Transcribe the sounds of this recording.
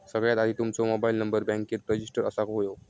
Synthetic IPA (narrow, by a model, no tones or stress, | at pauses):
səɡɭjat̪ad̪ʱiːt̪umt͡sɔmobailnəmbəɾbɛ̃ŋkiːɾpɾəd͡ʑisʈəɾəsakɦojo